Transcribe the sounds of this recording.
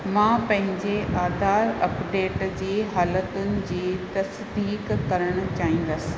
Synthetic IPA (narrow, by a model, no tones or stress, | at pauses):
mãːpɐ̃ɦɪ̃ɲd͡ʑeʔaːd̪ʱaːɾɐpɖeːʈd͡ʑeːɦaːlət̪ʊnɪ̆d͡ʑiːt̪ɐs | d̪iːkkɐɾəɽ̃̆t͡ɕaːɦĩːn̆d̪ɐsɪ̥̃̆